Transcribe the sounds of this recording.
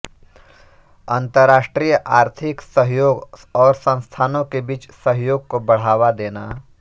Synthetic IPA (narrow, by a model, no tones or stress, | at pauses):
ə̃nt̪əɾːaːʃʈɾiːjəʔaːɾt̪ʰɪksəɦjoːɡɔːɾsə̃nst̪ʰaːnõkebiːt͡ʃsəɦjoːɡ̚kobɐɽ̤aːwad̪eːna̰